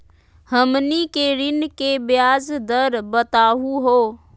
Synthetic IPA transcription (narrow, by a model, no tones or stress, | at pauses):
həmnikeɾɪnkebjaːzd̪əɾbət̪aːɦuɦoː